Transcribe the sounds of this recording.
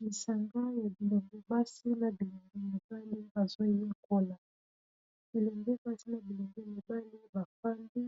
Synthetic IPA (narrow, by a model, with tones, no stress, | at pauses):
mi˨sa˨ŋɡa˦ja˨bi˨lɛ˨mbɛ˦ba˦si˦na˨bi˨le˨ŋɡɛ˦mi˨ba˦li˦ba˨zo˦je˦kʰo˦la˨ | be˨le˨mbɛ˦ba˦si˦na˨bi˨le˨ŋɡɛ˦mi˨ba˦li˦ba˨fa˦mbi˦